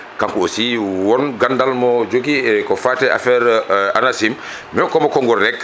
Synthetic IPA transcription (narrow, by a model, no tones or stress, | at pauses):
kaŋkuosiwɔnɡandalmɔd͡ʒoɡiɛkɔfatɛʔa̰fɛɾa̰nasim | mɔkɔmɔkɔŋɡɔɾɛkː